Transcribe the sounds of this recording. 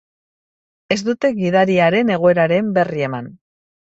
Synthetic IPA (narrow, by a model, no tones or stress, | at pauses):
e̞zd̪ut̪e̞ɡiðaɾiaɾe̞ne̞ɣ̞o̞e̞ɾaɾe̞mbe̞rie̞man